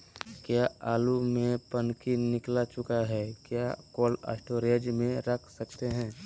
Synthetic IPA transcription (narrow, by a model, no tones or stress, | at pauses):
kjaaːlumẽpənkinɪklat͡ʃʊkaɦɛkjakoːlə̰sʈoɾed͡ʒmẽɾəkʰsəkt̪eɦɛ̃ː